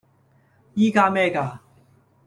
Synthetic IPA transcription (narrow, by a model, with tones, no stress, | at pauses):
jiː˦kaː˧mɛː˥˨kaː˨˩